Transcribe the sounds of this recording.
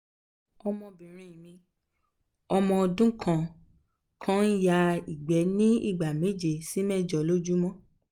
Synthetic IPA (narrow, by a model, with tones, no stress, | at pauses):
ɔ˧mɔ̃˧bĩ˨ɾ̃ĩ˨ĩ˨mĩ˧ | ɔ˧mɔ̃˧ɔ˧dũ˦kʰã˦˨ | kʰã˦n̩˦ja˧i˨ɡ͡bɛ˨˦nĩ˦ḭ˦˨ɡ͡ba˨me˨˦d͡ʒe˨si˨˦mɛ˦˨d͡ʒɔ˨lo˦d͡ʒu˦mɔ̃˦